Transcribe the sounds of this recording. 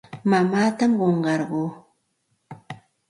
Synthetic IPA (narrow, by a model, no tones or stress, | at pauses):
mamaːt̪amɢoɴɢɑɾɢoː